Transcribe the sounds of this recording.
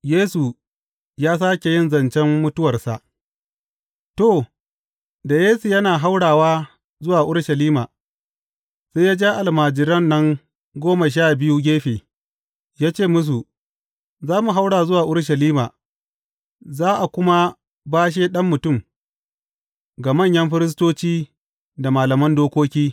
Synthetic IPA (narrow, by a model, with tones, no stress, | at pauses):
jeː˦su˨ | jaː˦s̬aː˦kʲe˨jɪ˦˨nzɐ˨nt͡ʃɛ˦mːʊ˦tʊ˦wɐ˨rsa̰˨ʔ | to˦˨ | da˨jeː˦su˨jɐ˦naː˨ɦa˦wɽaː˨waː˦ | zʊ˦waː˨ʔʊ˦ɽʃɐ˨liː˦maː˨ | se˦jaː˦d͡ʒaː˦ʔa˨lmaː˨d͡ʒɪ˨ɾɐ˦nːɐ˦ŋ | ɡʷoː˦ma˨ʃ̬aː˦˨bɪ˦ju˦ɡʲeː˦ɸeː˨ | jaː˦t͡ʃeː˦˨mʊ˦s̬u˨ | zaː˦mu˨ɦa˦wɽaː˨zʊ˦waː˨ʔʊ˦ɽʃ̬ɐ˨liː˦maː˨ | zaː˦ʔa˨kʷʊ˦ma˦ | baː˦ʃ̬eː˦ɗɐ˦mːʊ˨tʊ˦˨m | ɡa˨mɐ˦˨ɲjɐ˦mɸɪ˦ɾɪ˦s̬toː˦t͡ʃiː˦ | da˨maː˨lɐ˨mɐ˦ndoː˦kʷoː˦kʲiː˦